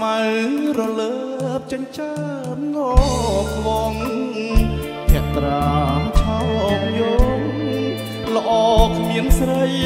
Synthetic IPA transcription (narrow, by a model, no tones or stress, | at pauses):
mawrɔləː | p̚t͡ɕəɲt͡ɕa | p̚ŋɔkʋɔŋ | pʰɛ̆əʔt̪raːt͡ɕʰɔŋʔk̚jɔŋ | lə̆ʔɑːkʰmiəŋsrəj